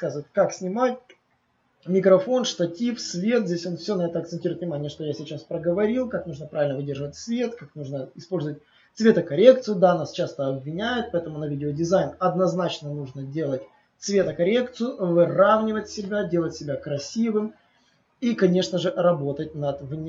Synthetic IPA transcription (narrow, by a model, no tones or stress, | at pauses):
kazɨvət̪̚ʲkaksʲnʲɪmat̚ʲ | mʲɪkɾɐfo̞nʂt̪ɐtʲifsvʲe̞t̪zʲdʲesʲo̞nfsʲonɐɛt̪əɐkt̪sɨnʲtʲiɾʊɪt̪vʲnʲɪmanʲɪjəʂt̪o̞jasʲɪt͡ɕaspɾəɡəvɐɾʲilˠkaknuʐnəpɾavʲɪlʲnəvɨdʲerʐɨvətʲsvʲe̞t̪kaknuʐnəɪspo̞lʲzəvət̚ʲ | t̪svʲe̞t̪əkɐɾʲe̞k̚t̪sɨjʊd̪anast͡ɕast̪əɐbʲvʲɪnʲæjʊt̪̚pɐɛt̪əmʊnɐvʲidʲɪodʲɪzajnɐd̪nɐznat͡ɕnənuʐnədʲe̞lˠətʲ | t̪svʲe̞t̪əkɐɾʲe̞kt̪sɨjʊvɨravnʲɪvətʲsʲɪbʲadʲe̞lˠətʲsʲɪbʲakɾɐsʲivɨm | ikɐnʲe̞ʂnəʐɨʔrɐbo̞t̪ətʲnɐd̪vnʲ